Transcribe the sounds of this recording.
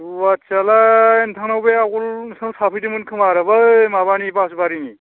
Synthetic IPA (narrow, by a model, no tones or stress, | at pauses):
wat͡ʃalantʰaŋnawbeakulsasapʰɯjdɯmɯnkʰɯmaɾɯbamabanipasubaɾini